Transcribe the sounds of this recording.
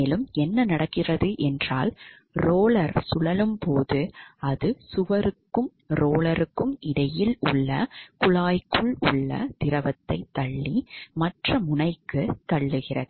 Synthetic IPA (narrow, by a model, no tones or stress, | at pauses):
lɯmɛnːɐnɐɽɐkːɪrɐðɯʔɛndraːl | ɾoːlɐɾsʊlɐlɯmpoːðɯɐðɯsʊʋɐɾɯkːɯm | ɾoːlɐɾɯkːɯmɪɽɐjɪlʊɭːɐkʊɭaːjkːɯɭʊ̰ɭːɐ̰t̪ɪɾɐʋɐt̪ːɐɪt̪ːɐɭːimɐʈrɐmʊɳɐɪkːɯt̪ːɐɭːɯɣɪrɐ̰ðɯ